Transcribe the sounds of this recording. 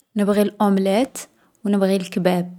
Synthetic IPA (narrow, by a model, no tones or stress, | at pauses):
nəbɣilʔʊmlæt̪ | wnəbɣilkbæb̚